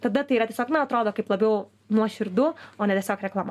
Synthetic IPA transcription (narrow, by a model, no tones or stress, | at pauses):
t̪ɐd̪ɐt̪ɐɪiɾat̪ʲɛsɔːknɐɐt̪ɾoːd̪oːkɐɪplˠɐbʲɛʊ | nuɔʃʲɪɾd̪ʊoːnʲɛt̪ʲɛsʲɔːkɾʲɛklˠɐma